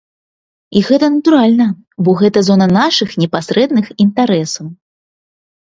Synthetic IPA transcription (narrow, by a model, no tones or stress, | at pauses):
iɣɛt̪ɐnɐt̪uɾalʲnɐ | bɔɣɛt̪ɐzɔnɐnaʂɨxnʲɛpasɾɛd̪nɨxint̪aɾɛsɐw